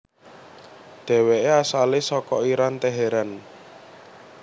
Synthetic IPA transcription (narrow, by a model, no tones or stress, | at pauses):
d̪̥ɛ̤weʔeasalesɔkɔiɾant̪ɛɦɛɾan